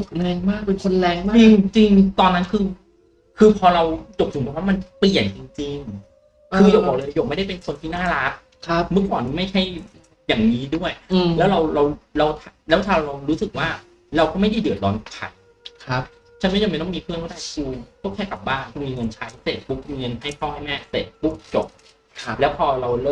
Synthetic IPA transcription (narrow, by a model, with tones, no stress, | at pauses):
o˨˩p̚ʰa˧nɛː˧ŋmaː˥˩k̚pe˧nkʰo˧nlɛː˨˦˥ŋmaː˦t͡ɕi˧ŋt͡ɕi˧ŋt̪ɔː˧nːa˦˥nkʰɯː˧ | kʰɯː˧pʰɔː˧ɾa˧wt͡ɕo˨˩p̚sʰu˨˩˦mɔː˨˩ŋwa˥˩ma˧npli˨˩ənt͡ɕi˧ŋt͡ɕi˧ŋ | ʔkɯː˧jo˨˩bɔː˨˩lɤː˧joː˨˩ma˥˩jda˥˩pe˧nkʰo˧nt̪ʰiː˥˩naː˥˩ɾa˦˥t̪̚ | kʰa˦mɯ˦˥˩kwɔː˨˩nʰiː˧˩ma˥˩jt͡ɕʰa˥˩j | jaː˨˩ŋniː˦˥du˥˩əjlɛː˦˥wɾa˧wɾa˧wɾa˧wt̪ʰa˧lɛː˦˥wt̪ʰaː˧ɾa˧ɾa˧wɾuː˦˥sɯ˨˩k̚waː˥˩ | ɾa˧wkʰɔː˥˩ma˥˩jda˥˩dɯ˨˩ət̪̚ɾɔː˦˥n˨˩kʰa̰˨˩˦j | kʰa˦˥ | t͡ɕʰa˦˥n˥˩t͡ɕːm˧˥˩jnɔ˥˩miː˧pʰɯ˥˩ənmʰɔ˥˩daː˥˩uː˧t̪ʰɔ˥˩kʰɛː˥˩ka˨˩p̚baː˥˩ŋkʰu˧miː˧ŋɤ˧nt͡ɕʰa˦˥jse˨˩t̪̚bu˦˥k̚i˧ŋɤ˧nha˥˩jpʰɔː˥˩wha˥˩jmɛː˦˥˩seː˨˩t̪̚bu˦˥k̚t͡ɕo˨˩p̚ʰ | lɛː˦˥wpʰɔː˧ɾa˧wlɤː˥˩